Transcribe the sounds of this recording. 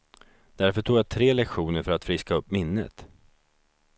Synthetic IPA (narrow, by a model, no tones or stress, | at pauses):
d̪̥æɾfœʈʰuːɡjat̪ʰɾeːlɛkɧuːnəɾfœɾat̪fɾɪskaɵpːmɪnːə̰t̪